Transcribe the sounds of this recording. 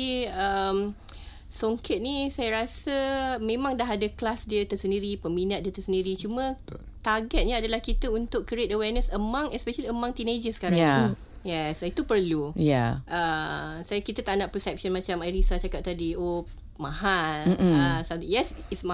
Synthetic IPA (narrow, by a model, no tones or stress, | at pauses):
iəm | soŋkʰɪt̪̚nisajəɾasəmẽmãŋdaɦadəklasdiət̪əsəndiɾipəminat̪̚diət̪əsəndiɾit͡ʃumə̃ | t̪aɡɛt̪̚ɲəadalahkit̪əunt̪ʊkkəɾet̪̚əwɛrnəsəmãŋɛspɛʃəliəmãŋt̪ined͡ʒəsə̥kaɾa | jɛsit̪upərlujaʔəsajakit̪ət̪anaʔpɾəsɛp̚ʃɔnmãt͡ʃamajɾisat͡ʃakap̚t̪adio | maɦaləsamt̪jɛsitsma